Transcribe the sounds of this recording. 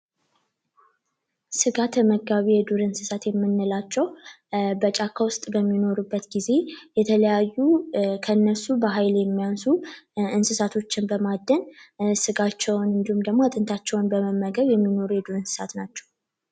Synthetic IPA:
sɨɡat̪məɡːaβijɛd̪uɾɨnsɨsat̪jɛmːɨnːɨlat͡ʃːɛw | bət͡ʃʼakʰːawʊst̪ʼbəmːino̞ɾubːət̪ɡize̞jɛt̪ʰələjajːukʰəɨnːəsubəɦajljɛmːijansuɨnsɨsat̪ʰo̞t͡ʃːɪnbəmad̪ːənsɨɡat͡ʃːɛwnɨnd̪ihumd̪əɡmoat̪ʼɨnt̪ʰat͡ʃːɛwʊnbəməmːəɡəβjɛmːino̞ɾujɛd̪uɾɨnsɨ̥sa̰t̪nat͡ʃːɛ̥w

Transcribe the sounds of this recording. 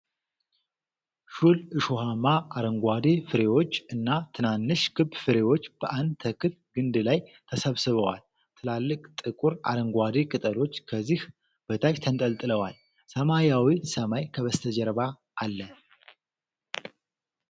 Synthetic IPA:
ʃulɨʃoɦamaaɾəŋɡʷad̪e̞fɨɾe̞wo̞t͡ʃːɨnːat̪ʰɨnanːɨʃɡʰɨbfɨɾe̞wo̞t͡ʃːb̥əʔand̪t̪ʰəkʰɨt̪ɡɨnd̪ɨlajt̪ʰəsəβsɨβəwal | t̪ʰɨlalːɨkʼt̪ʼɨkʼuɾa̰ɾəŋɡʷad̪ekʼɨt̪ʼəlo̞t͡ʃːkʰəzːih | bət̪ʰat͡ʃt̪ʰənt̪ʼəlt̪ʼɨləwal | səmajawisəmajkʰəβəst̪ʰəd͡ʒɛɾβa | ʔːlːə

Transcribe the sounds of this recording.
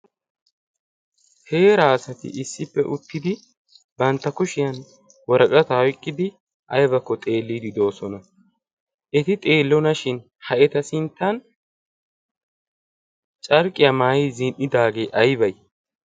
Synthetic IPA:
he̞ːɾaːsɐt̪ɪ̰ʔɪsːɪpːɛʔʊt̪ːɪd̪ɪ | bɐnt̪ːɐkʊʃɪjɐn | wɔɾɐkʼɐt̪ɐɔjkʼːɪd̪ɪ | ʔɐjbɐkːɔt̪ʼe̞ːlːiːd̪ɪd̪o̞ːsɔnɐ | ʔɛt̪ɪt̪ʼe̞ːlːɔnɐʃɪn | hɐʔɛt̪ɐsɪnt̪ːɐn | t͡ʃʼɐɾkʼɪjɐmaːjizɪnʔːɪd̪aːɡe̞ːʔɐjbɐj

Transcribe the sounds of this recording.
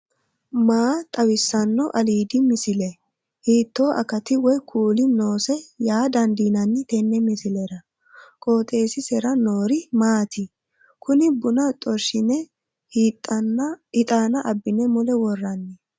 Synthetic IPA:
maːt̪ʼɐwɪsːɐnːɔʔɐliːd̪ɪmɪsɪlɛ | hiːt̪ːo̞ːʔɐ̰kɐt̪ɪwɔjkʰuːlɪnoːsɛjaːd̪ɐnd̪iːnɐnːɪt̪ɛnːɛmɪsɪlɛɾɐ | kʼoːt̪ʼe̞ːsɪsɛɾɐnoːɾɪmaːt̪ɪ | kʊnɪbʊnɐt̪ʼɔɾʃɪnɛ | ɪt̪ʼaːnɐʔɐbːɪnɛmʊlɛwɔrːɐnːɛ

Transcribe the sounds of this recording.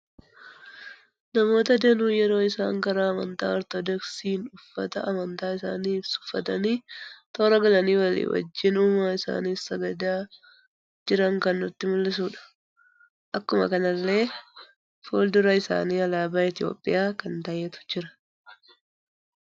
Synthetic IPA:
nɐmo̞ːt̪ɐd̪eːnuːjɛɾo̞ːɪsa̰ːŋkɐɾaːɐmɐ̰nt̪a̰ːɔɾt̪ɔd̪ɔksiːnʊfːɐ̰t̪ɐɐmɐnt̪aːɪsa̰ːniːfsʊ̥fːɐt̪ɐniːt̪o̞ːɾɐɡɐlɐniːwɐlḭːwɐ̰d͡ʒːɪnuːmaːɪsa̰ːniːsɐɡɐd̪aː | d͡ʒɪɾɐŋkɐnːʊt̪ːɪmʊlːɪs̬uːᶑɐ̥ | ʔɐkːʊmɐ̰kɐnɐlːe̞ː | foːld̪ʊɾɐɪsa̰ːniːɐlaːbaːɪt̪ɪjo̞̰ːpʼːɪjaːkɐnt̪ɐjet̪ʊ̥d͡ʒɪɾɐ̥

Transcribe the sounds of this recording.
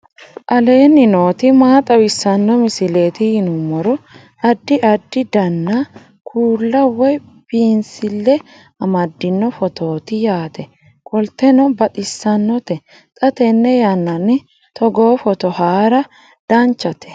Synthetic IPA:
ʔɐle̞ːnːɪnoːt̪ɪmaːt̪ʼɐwɪsːɐnːɔmɪsɪleːt̪ɪhɪnʊmːɔɾɔ | ɐd̪ːɪʔɐd̪ːɪd̪ɐnːɐ | kʰuːlːɐwɔj | b̥iːnsɪlːɛ | ɐmɐd̪ːɪnːɔfɔt̪o̞ːt̪ɪjaːt̪ɛ | kʼɔlt̪ɛnɔbɐt̪ʼɪsːɐnːɔt̪ɛ | t̪ʼɐt̪ɛnːɛjɐnːɐnːɪ | t̪ʰɔɡoːfɔt̪ɔhaːɾɐ | d̪̥ɐnt͡ʃːɐt̪ʰɛ̥

